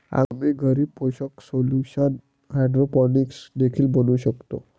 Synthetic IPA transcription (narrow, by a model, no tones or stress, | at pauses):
a̰ɡmiːɡʱəɾiːpoɕəksoljuɕən | ɦaɖɾopɔniksd̪ekʰiːlbənuːɕəkt̪o